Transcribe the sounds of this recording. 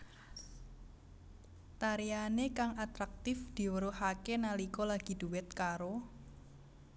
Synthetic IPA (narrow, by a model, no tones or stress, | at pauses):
t̪aɾianekaŋʔat̪ɾak̚t̪ɪfd̪̥i̤wəɾohakenalikɔlaɡ̥i̤d̪̥ṳwɪt̪̚kaɾo